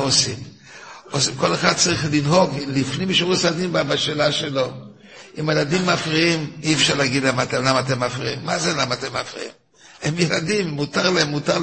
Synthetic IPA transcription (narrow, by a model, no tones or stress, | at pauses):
osim | osimko̞leχad̪̚t͡saʁiχlinɦo̞ɡlifnimʃʁusad̪imbabaʃeːlaʃelo̞ | imajladimːafʁiimiɛfʃaʁlaɡid̪lamat̪emlamat̪emːafʁiḭmːazelamaːt̪emːa̰fʁḭḭm | emjeladimːutaʁlaemːutaʁ